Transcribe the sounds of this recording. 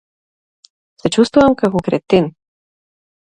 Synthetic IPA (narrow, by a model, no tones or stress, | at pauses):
sɛt͡ʃust̪vuvamkakɔkɾɛt̪in